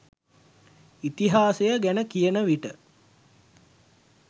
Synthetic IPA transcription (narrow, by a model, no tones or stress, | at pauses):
it̪iɦaːsejəɡænəkijənəʋiʈə